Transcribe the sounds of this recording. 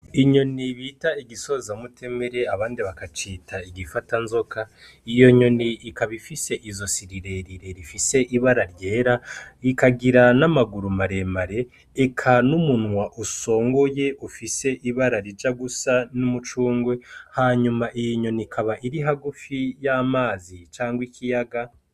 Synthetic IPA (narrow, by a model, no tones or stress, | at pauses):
iɲo̞niβitaiɡiso̞zamutʰe̞meɾe̞aβaːndiβakat͡ʃiːtʰaiɡifatanzo̞ka | ijo̞ɲo̞niːkaβifise̞ʔizo̞siɾiɾe̞ɾiɾe̞ɾifise̞ʔiβaɾaɾje̞ːɾaikaɡiɾanamaɡuɾumaɾe̞maɾe̞ː | kʰanumunŋwaʔuso̞ːŋɡoje̞ʔufise̞ʔiβaɾaɾid͡ʒaɡusanumut͡ʃuːŋɡwe̞haːɲumaʔijoɲo̞nikʰaβaʔiɾiɦaɡufijamaːzit͡ʃaːŋɡwikʰijaɡa